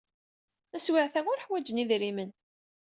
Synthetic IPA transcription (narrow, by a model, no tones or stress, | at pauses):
æswɪʕθæʊɾħwæd͡ʒəniðɾimən